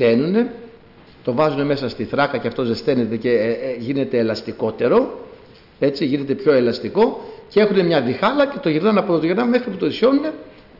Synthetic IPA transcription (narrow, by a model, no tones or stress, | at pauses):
e̞nune̞ | t̪o̞vɐzune̞me̞sɐst̪iθɾɐkɐceɐft̪o̞zest̪e̞net̪e̞ce̞ʝine̞t̪e̞ːlɐst̪iko̞t̪e̞ɾo̞ | e̞t͡siʝine̞t̪e̞pço̞e̞lɐst̪iko̞cee̞xune̞mɲɐðixɐlɐce̞t̪o̞ʝiɾnɐnɐpot̪ot̪oʝiɾnɐme̞xɾiput̪oisço̞nune̞